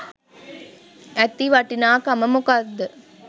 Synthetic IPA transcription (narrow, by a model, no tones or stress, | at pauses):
ɛt̪ːiʋɐʈːinaːkɐmɐmukɐd̪ɨ